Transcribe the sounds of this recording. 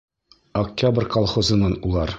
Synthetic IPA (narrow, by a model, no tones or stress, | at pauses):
ɐk̚tʲabrʲkɒlˠχozɤ̆nɑnulˠɑɾ